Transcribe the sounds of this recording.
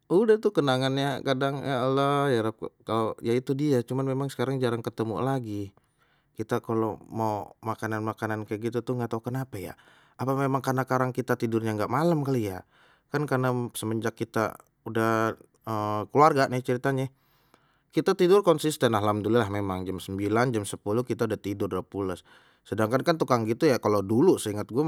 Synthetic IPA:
udaht̪ukənaŋanɲakadaŋjalajaɾap̚kalojait̪udiat͡ʃumanmemaŋsə̥kaɾaŋd͡ʒaɾaŋkət̪əmṵlaɡi | kit̪akalomawmakananmakanankajaɡit̪ut̪uŋɡat̪aukənapaja̰ | apamemaŋkanakaɾaŋkit̪at̪idʊrɲaŋɡaʔmalamkalija | kankarnasəməɲd͡ʒakːit̪a̰ | udah | əkəluarɡaʔnɪht͡ʃəɾit̪aɲa | kit̪at̪idʊrkɔnsist̪ɛnaɦlamdululahmemaŋd͡ʒamsəmbiland͡ʒamsəpulukit̪audaht̪idʊrdapulʊs | sədaŋkankant̪ukaŋɡit̪ujakalodulusəiŋət̪̚ɡua

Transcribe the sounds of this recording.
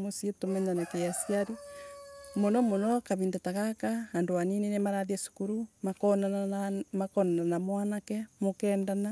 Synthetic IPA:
mosietomɛɲanakejasiaɾi | monɔmonɔkaβiːndataɣakahandowaninenemaɾaðiasu̥kuɾuman | makɔnananamwanakɛmokɛːndana

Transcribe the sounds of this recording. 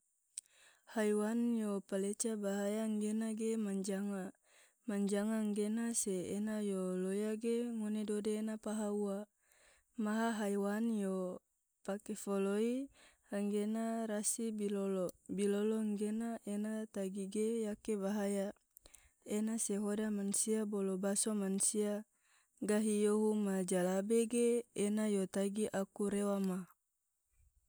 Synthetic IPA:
hajwanjopalet͡ʃabaɦajaŋɡenaɡemaɲd͡ʒaŋa | maɲd͡ʒaŋaŋɡenaseːnajolojaɡeŋonedodeːnapaɦaua | maɦaɦaiwanjo | pakefoloihaŋɡenaɾasibilolobiloloŋɡenaʔenat̪aɡiɡejakebaɦaja | enaseɦodamansiabolobasomansia | ɡaɦijoɦumad͡ʒalabeɡeːnajot̪aɡiʔakuɾewama

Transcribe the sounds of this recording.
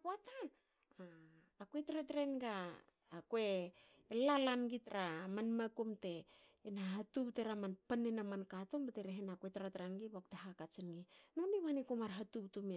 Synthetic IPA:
wata | kwetɾetɾenɡaː | kwe̞ | lalanɡitɾamanmakumte̞ːnaɦatupteɾamanpanenamankatombateɾeɦenaketɾatɾanɡibaktaɦakat͡ʃinɡinoniβanikomaɾɦatuptume

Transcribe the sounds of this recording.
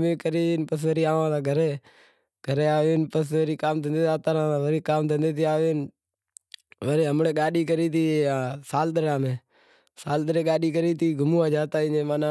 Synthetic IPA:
mẽːkəɾiːnpəs̬ʋəɾiːaːʋãːsãːɡʱəɾeː | ɡʱəɾeːaːʋeːnpəsʋəɾiːkaːmt̪ʰənd̪eːt̪aːt̪aːɾãːsãːʋəɾiːkaːmt̪ʰənd̪eːt̪̬iːaːʋeːn | ʋəɾeːɦəmɳeːɠaːɗiːk̬əɾiːt̪iːãːsaːlɗ̪əɾãːmẽː | saːlɗ̪əɾeːɠaːɗiːk̬əɾiːt̪ʰiːɡʱʊmuːaːd͡ʒaːt̪aːɪnẽːmaːnãː

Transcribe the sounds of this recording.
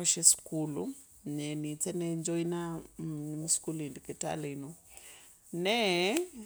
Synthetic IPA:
aʃɛskulṵ | nɛnit͡sɛnɛɲd͡ʒɔinanimiskulindikɛta̰lino | nɛ

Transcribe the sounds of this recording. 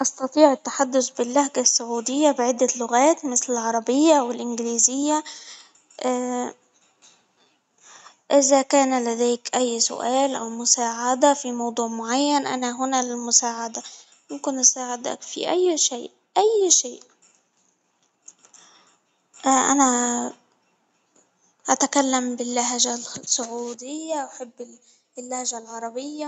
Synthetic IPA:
ʔɑst̪ɑt̪ˤiːʕɪt̪ːḁħad̪ːʊsbɪlːahɡasːʊʕuːd̪ɪjːabɪʕɪd̪ːælːoɣæːt̪mɪslɪlʕɑɾˤɑbɪjːawɪlʔɪnɡɪliːzɪjːa | ʔː | ʔɪzækæːnælæd̪æːkʔæjːsʊ̰ʔæːlʔæwmʊsaːʕad̪æfimɑwd̪ˤuːʕmoʕajːænʔæ̰næɦʊnælɪlmʊsaːʕad̪a | mʊmkɪnʔasaːʕɪd̪a̰kfḭʔajːʃeːʔ | ʔajːʃeːʔ | ʔʔa̰na | ʔat̪akalːambɪlːaɦʒasˤːʊʕuːd̪ɪjːaʔaħɪbː | lːahʒalʕɑɾˤɑbɪjːa

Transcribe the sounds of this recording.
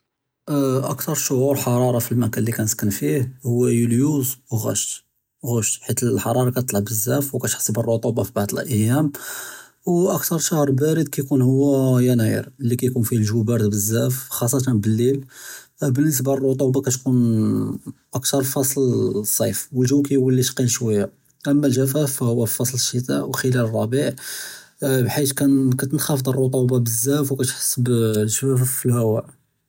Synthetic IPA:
ʔəkt̪ɑɾˤʃoʕuɾħɑɾˤɑɾˤɑfilmækænlːikænəskənfihhʊwːæjuljuzwɣæ̰ʃt̪ | ɣuʃt̪ħit̪əħɑɾˤɑɾˤɑkæt̪t̪ˤlɑʕbəzːæfwkæt̪ħsˤibərˤːot̪ˤubɑfibaʕd̪əlʔəjːæm | wʔəkt̪ɑɾˤʃɑhɾˤbæɾəd̪̚kæjkunhʊwːæjænæjə̰ɾlːikæjkunfihlʒubæɾd̪bəzːæfxɑs̬ˤːɑt̪ɑnbəlːil | bənːəs̬barˤːot̪ˤubɑkæt̪kun | ʔək̚t̪ɑɾˤfɑsˤlsˤːɑjfwəlʒukæjwəlːit̪qinʃwæjːa | ʔəmːælʒæfæfhʊwːæfɑsˤləʃːət̪aʔwxəlælərˤːɑbiʕ | bħit̪kænkæt̪ənxɑfəd̪ˤərˤːot̪ˤubɑbəzːæfwkæt̪ħə̥sːəblʒæfæffːilhæwæʔ

